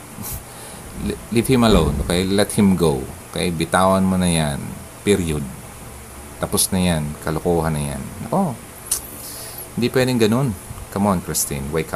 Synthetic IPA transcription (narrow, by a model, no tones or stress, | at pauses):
lit̪hɪmɐlownʔokɐlɛt̪̚hɪmɡowkɐʔabɪt̪aːwɐnmonɐjan | piɾjod̪̚ | t̪ɐposnɐjankɐlokoːhɐnɐja̰nːɐko̞ | hɪ̃nd̪ipwɛːd̪ɪŋɡɐno̞nkɐmoɐnkɾɪst̪ɪnwajkʰa